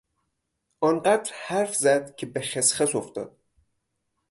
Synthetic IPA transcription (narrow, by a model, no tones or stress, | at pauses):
ʔɒnɢæd̪ɾhæɾfzæd̪̥cʰebeʃesχæsoft̪ɒ̰ːd̪̥̚